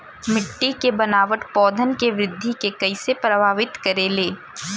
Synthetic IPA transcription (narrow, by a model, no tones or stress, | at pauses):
mɪʈːikebɐnaːʋəʈpɔːd̪ʱənkeʋɾɪd̪ʱːikekɐɪsepɾɐbʱaːʋɪt̪kɐɾeːleː